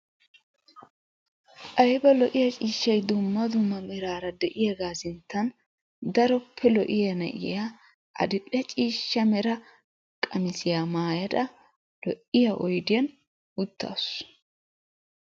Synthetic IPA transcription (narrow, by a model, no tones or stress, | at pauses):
ʔɐjbɐlɔʔɪjɐt͡ʃʼiːʃːɐjd̪ʊmːɐd̪ʊmːɐmɛɾaːɾɐd̪ɛʔɪjɛɡaːsɪnt̪ʰːɐn | d̪ɐɾɔpʰːɛlɔʔɪjɐnɐ̰ʔɪ̰ja | ʔɐ̰d̪ɪpʼːɪjɐt͡ʃʼiːʃːɐmɛɾɐ | kʼɐmɪsɪjaːmaːjɐd̪ɐ | lɔʔɪjaʔɔjd̪ɪjɐn | ʊt̪ʰːa̰ːs